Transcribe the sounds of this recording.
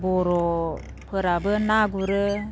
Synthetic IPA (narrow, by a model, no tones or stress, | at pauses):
bɔɾɔ | pʰəɾabɯnaɡuɾɯ